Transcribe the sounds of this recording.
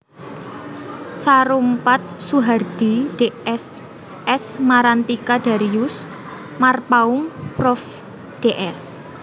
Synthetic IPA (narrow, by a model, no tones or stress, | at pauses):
saɾumpat̪̚suɦard̪̥id̥eɛs | ɛsmaɾant̪ikad̥a̤ɾijus | marpauŋprɔf | d̥eʔɛs